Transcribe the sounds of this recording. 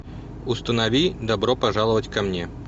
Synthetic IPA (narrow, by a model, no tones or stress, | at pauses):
ʊst̪ənɐvʲid̪ɐbɾopɐʐalˠəvətʲkɐmnʲe